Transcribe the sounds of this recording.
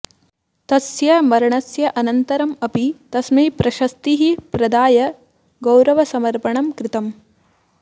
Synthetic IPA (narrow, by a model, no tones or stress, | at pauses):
t̪ɐsjɐmɐɾɐɳɐsjɐʔɐnɐnt̪ɐɾɐmɐpit̪ɐsmeːpɾɐʃɐst̪iɦipɾɐd̪aːjɐ | ɡɐwɾɐʋɐsɐmɐɾpɐɳɐmkɾɪt̪ɐm